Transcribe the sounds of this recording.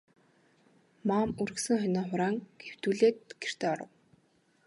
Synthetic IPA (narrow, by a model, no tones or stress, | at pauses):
maːmuɾɵ̆ksɘ̆ŋχœnɔːχʊɾaːŋɡ̥ew̥t̪uːɮeːt̪̚ɡ̥er̥t̪eːɔɾə̰̆w